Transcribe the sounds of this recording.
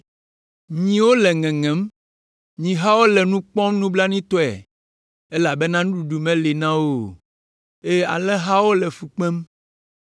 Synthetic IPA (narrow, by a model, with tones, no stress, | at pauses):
ɲĩ˨wo˦lɛ˨ŋɛ̃˨ŋɛ̃˨˦m | ɲĩ˨ɦa˦wo˦lɛ˨nũ˦k͡pɔ̃˦mnũ˦bla˦nĩ˦t̪ɔ˦ɛ̰˨ | e˦la˨bɛ˦nã˦nũ˦ɖu˨ɖu˨mɛ̃˦li˨nã˦wo˦˨ | e˦a̰˨lɛ˦ɦa˦wo˦lɛ˨fu˨k͡pɛ̃˦m